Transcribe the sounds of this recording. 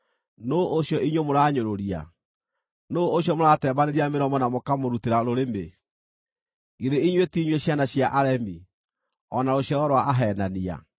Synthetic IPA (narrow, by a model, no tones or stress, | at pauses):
noʔoɕjɔʔiɲwemoɾaːɲoɾoɾia̰ | nooɕjɔmoɾatɛːbaneɾiameɾɔmɔnamokamoɾuteɾaɾoɾeme | iɾeiɲwetiɲweɕjanaɕjaʔaɾɛmi | ɔnaoɕjɔɣɔɾwaʔaɦɛːnania̰